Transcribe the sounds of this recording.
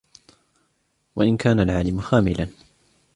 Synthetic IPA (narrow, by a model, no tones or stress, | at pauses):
wa̰ʔɪnkaːnalʕaːlɪmxaːmɪlan